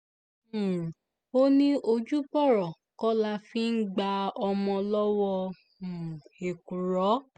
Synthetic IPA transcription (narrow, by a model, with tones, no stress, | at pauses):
o˦nĩ˦ʔo˧d͡ʒu˦bɔ˦˨ɾɔ˨ | kɔ˦la˧fĩ˦n̩˦ɡ͡ba˧ɔ˧mɔ̃˧lɔ˦wɔ˧ | m̩˨e˨ku˨ɾɔ˨˦